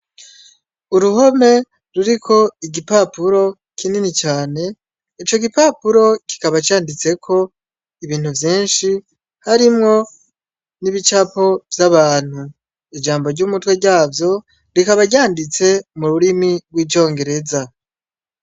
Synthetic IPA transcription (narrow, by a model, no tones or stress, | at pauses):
uɾuɦo̞me̞ | ɾuɾikʰo̞iɡipapuɾo̞ | kʰininit͡ʃaːne̞ | it͡ʃo̞ɡipapuɾo̞ki̥kaβat͡ʃaːndit͡se̞kʰo̞ | iβiːn̥huvjiːnʃi | haɾimŋo̞ | niβit͡ʃapo̞vjaβaːn̥hu | id͡ʒaːmbo̞ɾɟumutwe̞ɟaːvjo̞ | ɾikaβaɟaːndit͡se̞muɾuɾimiɡwiːvjo̞ːŋɡe̞ɾe̞za